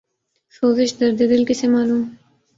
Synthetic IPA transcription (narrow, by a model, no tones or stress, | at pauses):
soːzɪʃd̪ɐɾd̪ed̪ɪlkisemɑːlum